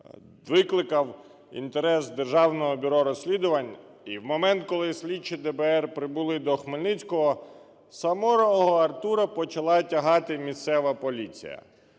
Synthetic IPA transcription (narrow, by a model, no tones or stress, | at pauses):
ʋɪklˠɪkɐw | ḭnt̪eɾɛsd̪erʒɑwnɔɦɔbʲʊɾɔɾɔsʲlʲid̪ʊʋɐnʲ | iwmɔmɛnt̪kɔlˠɪsʲlʲit͡ʃːid̪ɛbɛɛrpɾɪbʊlˠɪd̪ɔxmelʲnɪt͡sʲkɔɦɔ | sɐmɔɾɔɔɦɔɐrt̪uɾɐpɔt͡ʃɐlˠɑtʲɐɦɑt̪ɪmʲist̪sɛʋɐpɔlʲit͡sʲḭjɐ̰